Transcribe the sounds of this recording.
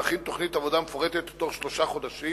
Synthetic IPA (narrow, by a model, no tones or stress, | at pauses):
aχint̪o̞χnit̪avodamefoʁet̪et̪ːo̞χʃlo̞ʃaχo̞d̪aʃi